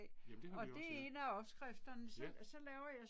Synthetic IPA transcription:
ɒ̽d̥e̝enæɒ̽b̥sɡ̥ʁafd̥ɐnəsɒsɒ̽lɛːʊɐjɑ̈ɪ

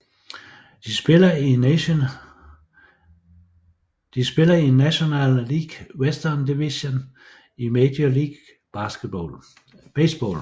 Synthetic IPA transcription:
d̥isb̥elɐi | d̥isb̥e̝lɐinæɕo̝nɛ̰lːiɡ̥wesd̥ɐnd̥iʋison | imed̥joliːɡ̥ | b̥ɑ̈ːsɡ̥əd̥̚b̥ɔ̰l | b̥esb̥ɔ̰ːl

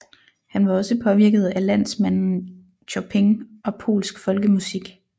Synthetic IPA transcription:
hænʋɑ̈ɒ̽səpʰɒ̽ʋiɐɡ̥ð̞̩ˠælæn̰smæn̰n̩ | ɕʰɒpʰeŋʔɒ̽pʰo̝̰ːlsɡ̥fɒ̽lɡ̥əmusiɡ̥

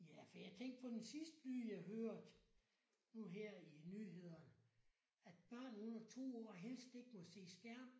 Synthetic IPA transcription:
jæfɒ̽jɑ̈ɪt͡sʰeŋ̰ɡ̥pʰɒ̽d̥ensisd̥əlyðˠjɑ̈ɪɦøːɐd̥ | nuɦeɐ̰inyːɦe̝ð̰ˠɐnə | æd̥̚b̥ɶɐ̰nonɐt͡sʰo̝̰ːɒ̰ːɦel̰sd̥e̝ɡ̥əmɒse̝̰ːsɡ̥æɐ̰m

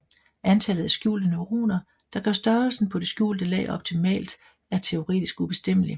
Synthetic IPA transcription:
ʔænt͡sʰɛlð̩ˠæsɡ̥jṵːld̥ənoʁo̰ːnɐ | d̥ɑ̈ɡ̥ɶɐsd̥ɶɐlsn̩pʰɒ̽d̥e̝sɡ̥jṵːld̥əlɛ̰ːʔɒ̽b̥̚t͡sʰimɛ̰ːld̥ | æɐt͡sʰe̝o̝ʁɛ̰ːd̥isɡ̥ub̥e̝sd̥em̰əli

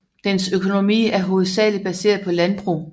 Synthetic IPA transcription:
d̥ensøkʰo̝no̝mḭːæɐɦo̝ð̩ˠsɛ̰ːlid̥̚b̥æse̝̰ːɐðˠpʰɒ̽lænb̥ʁṵː

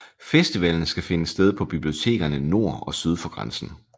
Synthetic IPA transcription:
fesd̥iʋɛ̰ln̩sɡ̥æfe̝nəsd̥eð̞ˠpʰɒ̽b̥ib̥lio̝t͡sʰe̝̰ːɡ̥ɐnəno̝ɐ̰ɒ̽syð̞ˠfɒɡ̥ʁɑ̈nsn̩

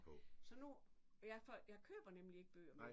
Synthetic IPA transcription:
sɒ̽nu | jɑɪfɒjɑ̈ɪkʰø̰ːb̥ɐnemlie̝ɡ̥əb̥ø̰ːɐm

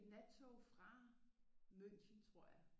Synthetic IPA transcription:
næt͡sʰofʁɑ̈ | møn̰çənt͡sʰʁo̝ɐ̰jäɪ

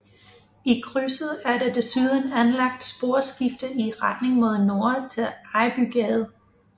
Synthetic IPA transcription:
ikʰʁysəð̩ˠæɐdɑd̥e̝syð̞ˠən̩ænlɑ̈ɡ̥̚d̥sb̥o̝ːɐsɡ̥ifd̥ɐiʁad̥ne̝ŋmo̝ðˠno̝ɐt͡sʰe̝lɑ̈ɪb̥yɡ̥ɛð̩ˠ

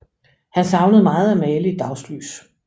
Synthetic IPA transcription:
hænsɑ̈ʊnəð̩ˠmɑ̈ːð̞̩ˠæmɛːləid̥ɑ̈ʊsly̰ːs

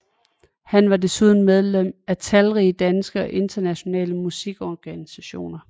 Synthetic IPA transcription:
hænʋɑ̈de̝suð̞ˠn̩með̞ˠlem̰æt͡sʰælʁiːəd̥ænsɡ̥əɒ̽ʔe̝nd̥ɐnæɕo̝nɛ̰ːləmusiɡ̥ɒɡ̥ænisæɕo̝̰ːnɐ

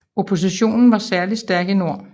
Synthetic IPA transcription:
o̝pʰo̝s̬iɕo̝̰ːnn̩ʋɑ̈sæɐlisd̥æɐɡ̥əno̝ɐ̰

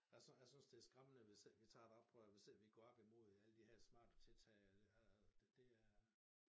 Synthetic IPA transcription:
jæsjasynsd̥eæɐsɡ̥ʁamənəʋesel̰ʋit͡sʰɑ̰̈ːe̥d̥ɒ̽b̥ʰʁœʋe̝sel̰ʋiɡ̥ɒːɒ̽b̥imo̝ð̞̰ˠæləd̥iheɐ̰smɑ̰̈ːd̥t͡sʰe̝lt͡sʰɛ̰ːæd̥ed̥e̝æɐɐ

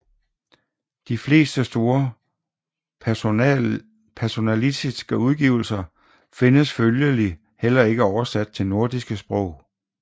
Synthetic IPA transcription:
d̥ifle̝̰ːsd̥əsd̥o̝ːɐ | pʰæɐso̝nælidisɡ̥əuð̞ˠɡ̥iːʊ̰l̩sɐ | fe̝nəsføljəli | hel̰ɐe̝ɡ̥əɒʊɐsæd̥̚t͡sʰe̝lno̝ɐd̥isɡ̥əsb̥ʁɔʊ̰

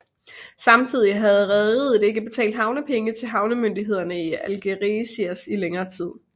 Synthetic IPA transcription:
sɑ̈mt͡sʰið̞̰ˠiɦæð̞̩ˠʁɛðið̩ˠde̝ɡ̥əb̥e̝t͡sʰɛ̰ːld̥hɑ̈ʊnəpʰeŋət͡sʰe̝lɦɑ̈ʊnəmønd̥iɦe̝ð̞̰ˠɐnəiælɡ̥eʁisiæsileŋɐːt͡sʰið̞̰ˠ

